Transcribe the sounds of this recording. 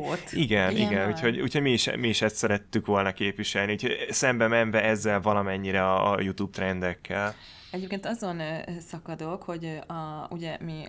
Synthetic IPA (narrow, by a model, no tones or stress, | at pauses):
ot̪iɡɛnḭɡɛnuːcho̞ɟṵːcʰho̞ɟmiːʃmiːʃɛst̪sɛɾɛt̪ːykʋo̞lnɒkeːpʋiʃɛlniuːcʰho̞ɟsɛmbɛmɛɱvɛɛzːɛlvɒlɒmɛɲːiɾɛɒ̰ːjut̪ub̚t̪ɾɛnd̪ɛkːɛl | ɛɟeːp̚keːnt̪ɒzo̞nsɒkɒd̪okho̞ɟɒuɟɛmi